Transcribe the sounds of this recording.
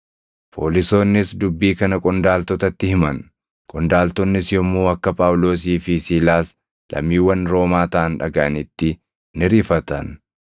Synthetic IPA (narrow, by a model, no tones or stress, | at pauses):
pʰo̰ːlɪso̞ːnːɪsd̪ʊbːiːkɐnɐkʼɔnd̪aːlt̪ɔt̪ɐt̪ːɪhɪmɐn | kʼɔnd̪aːlt̪ɔnːɪsjɔmːuːɐkːɐpʼaːwlo̞ːs̬iːfɪsiːlaːs | lʔɐ̰mːiːwːɐnɾo̞ːmaːt̪ɐʔɐnᶑɐɡɐʔɐnɪt̪ːɪ | nɪɾiːfɐt̪ɐ̰n